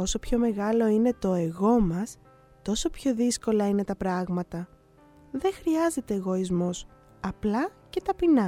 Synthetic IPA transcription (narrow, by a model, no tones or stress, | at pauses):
o̞so̞pço̞me̞ɣɐlo̞ine̞t̪o̞eɣo̞mɐs | t̪o̞so̞pço̞ðisko̞lɐine̞t̪ɐpɾɐɣmɐt̪ɐ | ðe̞xɾiɐze̞t̪e̞ːɣo̞izmo̞s | ɐplɐce̞t̪ɐpinɐ